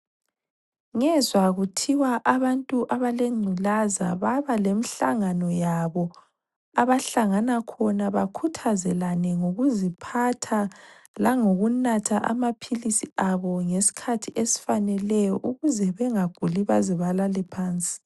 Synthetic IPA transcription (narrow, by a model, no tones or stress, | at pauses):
ŋɛzwaɣutʰiwaʔaβantʼuʔaβaleŋ͡ǀʱulaza̰βaβalemiɬaŋanɔjaβɔ | aβaɬaŋanakʰɔnaβakʰutʰazɛlanɛŋoɣuzipʰatʰalaŋoɣunatʰaʔa̰mapʰilisiaβɔŋesi̥kʰatʰiʔesi̥fanɛlɛjɔʔuɣuzɛβɛŋaɡ̥ʱuliβaziβalalɛpʰaːnt͡sʼi̥